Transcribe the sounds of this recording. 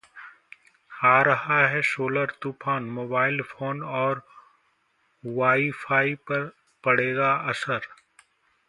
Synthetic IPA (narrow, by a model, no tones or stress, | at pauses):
aːɾɐɦaɦɛsoːləɾt̪uːpʰaːnmoːbaːɪlpʰoːnɔːɾ | ʋaːifʰaːipɐ | pɐɽ̤eːɡaɐsəɾ